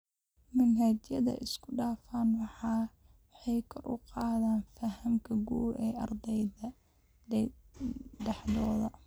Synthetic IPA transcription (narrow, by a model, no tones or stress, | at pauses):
mɐnɦɐt͡ʃjɐðɐ̰ʔɪskʰʊɖaːfaːnwɑħɑː | ħɛjkʰɔrʔʊ̰qɑːðaːnfɐɦɐmkʰɐɡṵːɾɛːʔɑrd̪ɛjðɐ | ɖɛħðɔːðɐ